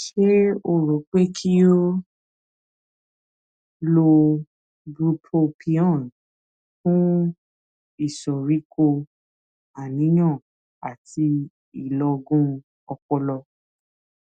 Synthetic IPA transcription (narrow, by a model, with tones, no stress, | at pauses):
ʃe˦o˨ɾo˨˦k͡pe˦kʰi˦o˦ | lo˧ | bɾu˧pʰo˧pʰi˧˦ɔ̃˦˨n | fũ˦ | i˦˨sɔ˨ɾi˨˦ko˧ | a˨nĩ˨˦j̃ã˦˨ | a˨tʰi˧ | i˦˨lɔ˧ɡũ˦ | ɔ˧kɔ˧lɔ˧